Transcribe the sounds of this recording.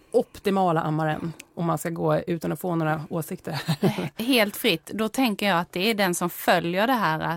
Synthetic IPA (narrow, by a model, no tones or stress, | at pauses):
ʔɔpt̪ɪmɑːlaʔamːaɾə̰nʔɔmːanskaɡoːʉ̟ːt̪anɔfoːnoːɾaoːsɪk̚t̪əɾɦeːlt̪fɾɪt̪ːd̪ɔt̪ʰɛŋkəjɑːat̪̚d̪ɛæɖɛnsɔmfœljəɖɛɦæːɾa̰